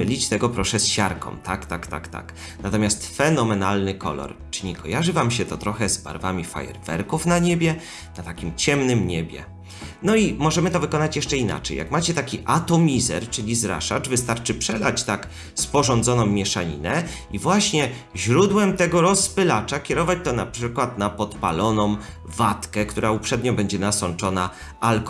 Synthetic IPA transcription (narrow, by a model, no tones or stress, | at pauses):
ɘlʲit͡ɕt̪ɛɡɔpɾɔʂɛsɕaɾkʰɔ̰̃mt̪akt̪akt̪a̰kt̪a̰k | nat̪ɔmʲjast̪fɛnɔmɛnalnɘkʰɔ̰lɔ̰ɾt͡ʂɘɲikʰɔjaʐɘvamɕɛt̪ɔt̪ɾɔxɛzba̰ɾvamʲifa̰jɛ̰ɾvɛ̰ɾkufnaɲebʲjɛ | nat̪akʲimt͡ɕɛmnɘmɲebʲjɛ̰ | nɔimɔʐɛmɘt̪ɔvɘkɔnat͡ɕjɛʂt͡ʂɛina̰t͡ʂɛ̰jːa̰kmat͡ɕɛt̪akʲiʔat̪ɔmʲizɛ̰ɾt͡ʂɘlʲizɾa̰ʂa̰t͡ʂvɘst̪aɾt͡ʂɘpʂɛlat͡ɕt̪ak | spɔʐɔnd̪zɔnɔ̃m̃ːʲjɛʂaɲḭnɛ | ivwaɕɲɛ | ʑɾud̪wɛmt̪ɛɡɔɾɔspɘlat͡ʂakʲjɛɾɔvat͡ɕt̪ɔnapʂɘkwat̪napɔt̪pa̰lɔnɔ̃m | vat̪kɛkt̪uɾaupʂɛd̪ɲɔbɛɲd͡ʑɛnasɔnt͡ʂɔna | alk